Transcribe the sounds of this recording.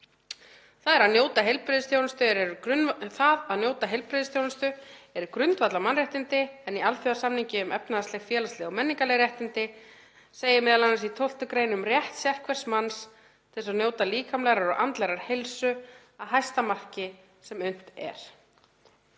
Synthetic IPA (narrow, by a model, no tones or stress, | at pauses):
θaðɛɾaðnjoːwt̪aɦejlpɾɪðɪst̪ʰjownɪst̪ʏɛɾɛɾʏʏθaðaðnjoːwt̪aɦejlpɾɪðɪst̪ʰjownɪst̪ʏɛɾʏkɾʏnt̪vat̪lamanrjɛht̪ɪnt̪ɪɛnialfjɔðasamniɲcɪʏmɛpnaðast̪ɛɣfjɛːlaslɛɣɔmɛnːiŋkaleɾjɛht̪ɪnt̪ɪ | seːjɪmɛːðalanːasit̪ʰowl̥t̪ʏkɾejnʏmrjɛht̪sjɛr̥kvɛr̥smans | t̪ʰɛsaðnjoːwt̪aliːkʰamlɛɣɾaɾɔɣʔant̪lɛɾaɾ̥hejlsʏ | aðɦajst̪amar̥cɪ | sɛmʏn̥t̪ɛ̰ɾ̥